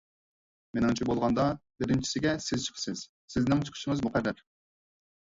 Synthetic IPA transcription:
menɪŋt͡ʃʰibolˠʁɑnd̪ɑbɪɾɪnt͡ʃʰi̥sɪɡʲɛsɪzt͡ʃʰi̥qʰsɪz̥ | sɪznɪŋt͡ʃʰy̥qʰy̥ʃɪŋɨzmʊqʰæɾːæɾ

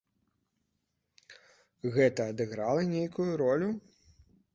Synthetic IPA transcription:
ɣɛt̪ɐːd̪ɨɣɾalˠɐnʲejkujuɾɔlʲu

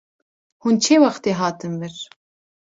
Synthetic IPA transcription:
hunt͡ʃʰeːwaxt̪eːɦaːt̪ʰɨmvɨɾ

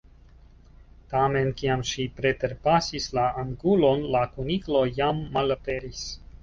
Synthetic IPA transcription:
tame̞nkiamʃipɾe̞te̞ɾpasislaːŋɡulo̞nlakuniklo̞jamːalape̞ɾis

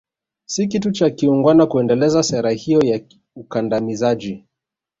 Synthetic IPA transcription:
sikitut͡ʃakiuŋɡwanakuɛndɛlɛzasɛɾahijɔja | ukandamizad͡ʒi

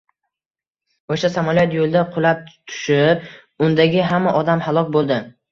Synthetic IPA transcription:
oʃasamaljɒt̪jolˠd̪aqʰʊlˠap̚t̪ʰʊ̥ʃɪp̚ | ʊnd̪aɡʲɪɦamːaʔɒd̪amhalˠɒkʲbolˠd̪ɪ

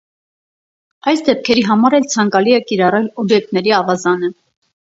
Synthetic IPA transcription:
ɑjsd̪ɛp̚kʰɛɾiɦɑmɑɾɛlt͡sʰɑŋkɑliɛkiɾɑrɛlɔbjɛk̚t̪nɛɾiɑvɑzɑnə

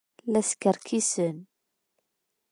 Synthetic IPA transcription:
læskəɾkʰisən

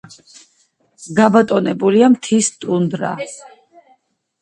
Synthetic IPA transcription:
ɡabat̪ʼɔnɛbuliamt̪ʰist̪ʼund̪ɾa̰

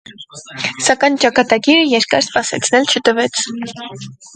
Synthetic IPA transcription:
sɑkɑjnt͡ʃɑkɑt̪ɑɡiɾəjɛɾkɑ̰ɾspɑsɛ̰t͡sʰnɛlt͡ʃʰət̪əvɛt͡sʰ

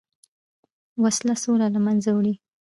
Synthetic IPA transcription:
waslasolalamanzawɽi

